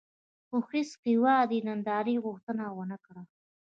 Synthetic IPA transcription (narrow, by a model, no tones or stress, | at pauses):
xʊxisqiwɑd̪inand̪ɑɾiɣʊxt̪ənawənakɽa